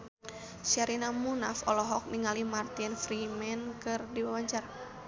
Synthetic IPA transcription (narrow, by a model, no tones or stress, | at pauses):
ʃaɾinamunafɔlɔɦɔk̚niŋalimart̪infɾimɛnkɨrdiwawaɲt͡ʃaɾa